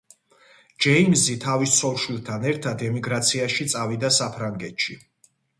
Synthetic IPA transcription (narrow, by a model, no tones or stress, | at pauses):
d͡ʒɛimzit̪ʰavissʰɔlʃwilˠt̪ʰanɛɾt̪ʰad̪ɛmiɡɾat̪sʰiaʃit̪sʼavid̪asapʰɾaŋɡɛt̪ʃi